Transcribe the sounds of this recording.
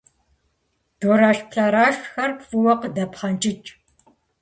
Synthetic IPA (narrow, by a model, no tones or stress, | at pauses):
d̥oɾaːɬpʰɬɐɾaːʃxɐrpfuwɐqədɐpχɐnt͡ʃʼɪt͡ʃʼ